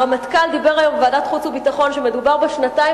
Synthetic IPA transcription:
amatkald̪ibeʁajomvaːdat̪χut͡subitaχo̞nʃeme̞d̪ubaʁbeʃnatai

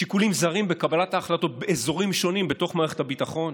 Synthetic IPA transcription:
ʃikulimzaʁimbe̞kabalat̪aːχlato̞t̚beezo̞ʁimʃo̞nimbet̪o̞χmaːʁeχe̞tabitaχo̞n

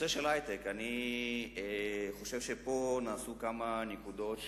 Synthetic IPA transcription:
seʃelajt̪ekani | eχo̞ʃe̞vʃepo̞naːsukamanekud̪o̞t̪

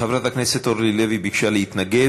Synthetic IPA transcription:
χevɾat̪akneset̪oɾlilevibiɡʃaleit̪naɡe

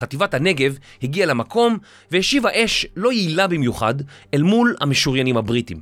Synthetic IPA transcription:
ativathane̞ɡe̞v | hiɡialemako̞m | veheʃivaʔe̞ʃlo̞jiilabimjuχa̰d | elmulha̰meʃuʁjanimhabʁitim

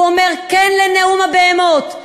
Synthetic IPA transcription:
omeʁkɛnleneumabeemot̪

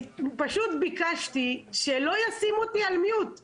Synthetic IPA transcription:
paʃut̪bikaʃt̪iʃelo̞jasimot̪ialmijut̪

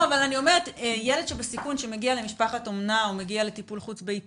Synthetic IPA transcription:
avalanio̞me̞ʁet̪ejeled̪ʃebesikunʃemeɡiale̞miʃpaχatomnaomeɡiale̞tipulχut͡sbei

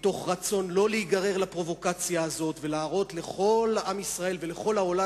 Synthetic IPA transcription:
t̪o̞χʁat͡so̞nlo̞leiɡaʁe̞ʁlapʁo̞vo̞kat͡sjaːzo̞t̪ve̞laːʁo̞t̪le̞χo̞lamisʁae̞lveleχo̞lhao̞la

